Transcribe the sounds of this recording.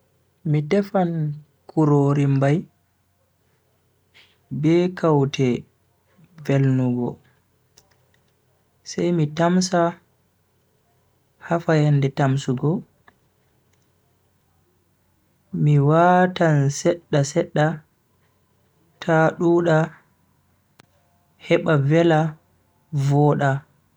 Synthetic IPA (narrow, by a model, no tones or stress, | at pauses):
mitɛfan | kuɾoɾimbaj | bɛːkawtʰɛ | velnuɡɔ̰ | sɛjmitamsa | hafajandɛtamsuɡɔ | miwatansɛɗːasɛɗːa | tʰaɗuːɗa | hɛɓavɛla | vɔːɗa